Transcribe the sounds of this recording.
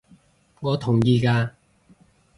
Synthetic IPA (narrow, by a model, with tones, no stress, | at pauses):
ŋɔː˨˧t̪ʰʊ˨˩ŋjiː˧kaː˧